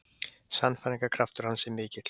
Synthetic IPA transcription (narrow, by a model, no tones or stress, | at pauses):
sanfaniŋkakʰɾaft̪ʏɾ̥hansɛmɪːcɪt̪